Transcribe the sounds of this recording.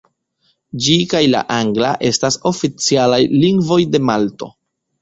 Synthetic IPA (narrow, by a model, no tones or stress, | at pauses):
d͡ʒikajla̰ʔaŋɡla̰ʔe̞staso̞fit͡sialajliŋɡvo̞jde̞malto̞̰